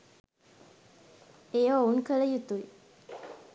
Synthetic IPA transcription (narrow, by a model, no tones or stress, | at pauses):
eːʋaunkələjut̪uj